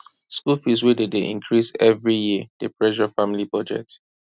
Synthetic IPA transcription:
skulfiswededeʔḭ̃ŋkʰɹisɛvɹijid̥epɹɛʃɔfãmilibɔd͡ʒɛ̰t

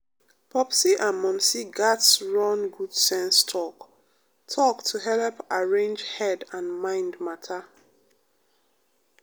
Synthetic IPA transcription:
pʰɔpsiʔãnmɔ̃msiɡatsɹɔ̃nɡud̥sɛ̃nstʰɔk | tʰɔktʰuɦɛlpaɹẽnd͡ʒhɛdãnmãɪ̃ndmatʰa

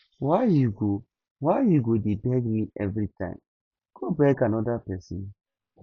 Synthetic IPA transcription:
wajuɡo | wajuɡodebɛɡmiɛ̰vɾitʰã̰ɪ̃m | ɡ̥obɛkanɔdapɛsĩn

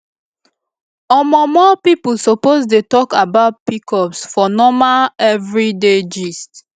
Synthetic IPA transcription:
ɔmɔmɔpipusopozdetɔkabaʊt̚pikʰɔpsfɔnɔmaɛvɹided͡ʒist

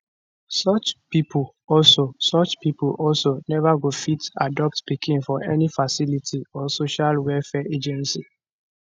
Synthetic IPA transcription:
sɔt͡ʃpipul | ɔlsosɔt͡ʃpipuʔɔlsonɛvaɡofitadɔp̚tpikʰĩŋfɔʔɛnifasilitʰiɔsoʃalwɛlfɛʔed͡ʒɛ̃nsi

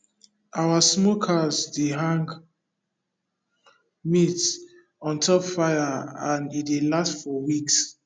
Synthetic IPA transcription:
ʔawasmokʰazdeɦãŋɡ | mit | ɔ̃ntʰɔpfaɪjaãnitdelastfɔwiks

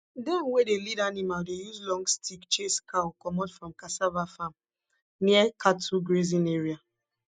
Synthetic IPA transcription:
dɛ̃mwedelidanimaldejuslɔ̃ŋɡstʰikt͡ʃeskʰakɔmɔtfɹɔ̃mkasavafãm | niəkʰatuɡɹezĩneɹia

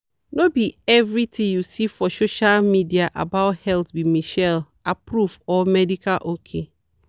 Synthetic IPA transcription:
nobiɛvɹitʰĩjusifɔsoʃalmidiaʔa̰baʊthɛltbimiʃɛl | apɹufɔmɛdikalʔokʰe

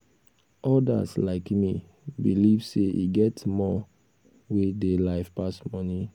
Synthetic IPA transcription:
ʔɔda̰slaɪkmi | bilivseʔḭɡɛtmɔ | wedelaɪfpasmɔni

